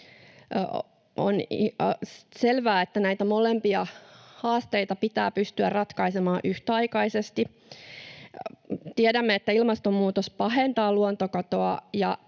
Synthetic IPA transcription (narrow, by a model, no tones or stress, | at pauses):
o̰n | selʋæːet̪ːænæjt̪æmolempiɑhɑːst̪eit̪ɑpit̪æ̰ːpyst̪yærrɑt̪kɑisemɑːʔyht̪ɑikɑisest̪i | t̪iedæmːeet̪ːæilmɑst̪ommuːt̪ospɑɦent̪ɑːluont̪okɑt̪oɑjɑ̰